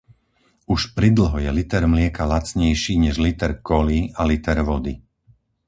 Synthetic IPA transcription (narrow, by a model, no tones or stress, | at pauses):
uʃpɾid̪l̩ɦɔjɛlit̪ɛɾmlɪɛkalat͡sɲɛjʃiːɲɛʒlit̪ɛɾkɔlialit̪ɛɾʋɔd̪i